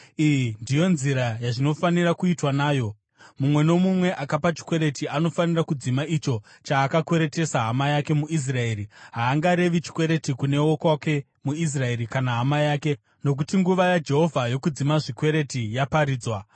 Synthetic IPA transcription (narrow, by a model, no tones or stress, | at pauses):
ijindijo̞nziɾajaʐino̞fanirakuitwanaːjo̞ | mumwe̞no̞mumwe̞ʔakapat͡ʃi̥kwe̞ɾe̞tiano̞fanirakud͡zimait͡ʃo̞ | t͡ʃaːkakwe̞ɾe̞te̞saɦamajake̞muis̬rae̞ːɾiɦaːŋɡaɾe̞ʋit͡ʃi̥kwe̞ɾe̞tikune̞okwake̞ | muis̬rae̞ɾikanaɦamajaːke̞ | no̞k̬utiŋɡuʋajad͡ʒe̞ɦo̞vʱajo̞kud͡zimaʐikwe̞ɾe̞tijapaɾiːd͡zwa